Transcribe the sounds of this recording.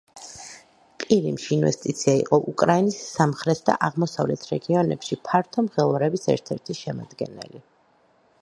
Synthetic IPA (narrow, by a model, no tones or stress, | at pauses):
pʼiɾimʃiːnvɛ̰st̪ʼit̪sʰiaḭqʼɔʔukʼɾainisːamχɾɛt̪ʰd̪a̰ʔaʁmɔsavlɛt̪ʰɾɛɡiɔnɛpʃipʰaɾt̪ʰɔmʁɛlˠɾɛbisɛ̰ɾt̪ʰɛɾt̪ʰiʃɛma̰d̪ɡɛ̰nɛ̰li